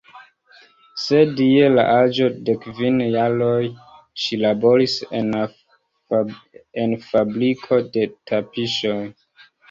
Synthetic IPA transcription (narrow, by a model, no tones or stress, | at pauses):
se̞die̞la̰ʔad͡ʒo̞de̞kvinjaɾoj | ʃilabo̞ɾisen | enfabɾikʰo̞de̞tʰapiʃoj